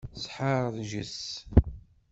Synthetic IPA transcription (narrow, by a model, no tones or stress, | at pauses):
sħəɾˤðʒəs